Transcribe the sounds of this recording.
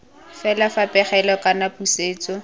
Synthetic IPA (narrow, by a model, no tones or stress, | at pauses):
fɛlafapʼɛχɛlɔkʼanapʼuseːt͡sʼɔ